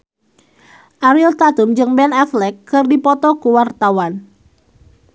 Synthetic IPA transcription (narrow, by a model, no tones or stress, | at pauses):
ʔaɾilt̪at̪umd͡ʒɨŋbɛnaflɛkːɨrdipɔt̪ɔkuwart̪awan